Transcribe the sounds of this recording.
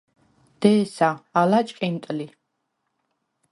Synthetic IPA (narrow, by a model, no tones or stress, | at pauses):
d̪̥ɛːsaalat͡ʃʼkʼint̪ʼli